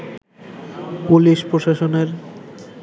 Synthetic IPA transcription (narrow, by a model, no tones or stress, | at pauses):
puliʃpɾoʃaʃoneɾ